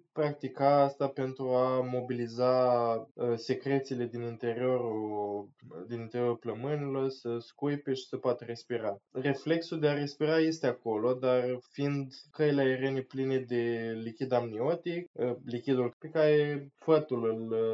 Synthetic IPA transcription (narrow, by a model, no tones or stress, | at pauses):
pɾak̚t̪ikaast̪ape̞nt̪ɾuamo̞bilizaəse̞kɾe̞t̪sile̞d̪inint̪e̞ɾio̞ɾu | d̪inint̪e̞ɾʲio̞ɾupləmɨnilo̞rsəskujpe̞ʃi̥səpoat̪əɾe̞spiɾare̞fle̞ksuld̪eaɾe̞spiɾaje̞st̪eako̞lo̞d̪arfiind̪kəjileae̞ɾene̞pline̞d̪e̞likʲid̪amnio̞t̪ikəlikʲid̪ulpekaɾefət̪ulɨl